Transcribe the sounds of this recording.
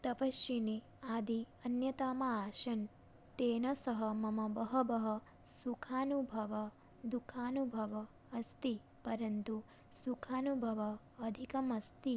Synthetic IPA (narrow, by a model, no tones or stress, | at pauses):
t̪ɐpɐʃjini | aːd̪ʱi | ɐnjɐt̪aːmɐaːʃɐn | t̪eːnɐsɐɦɐmɐmɐbɐɦɐbɐɦɐ̆ | sukʰaːnubʱɐʋɐ | d̪ukʰaːnubʱɐʋɐː | st̪i | pɐɾɐnt̪u | sukʰaːnubʱɐʋɐː | d̪ʱikɐmɐst̪i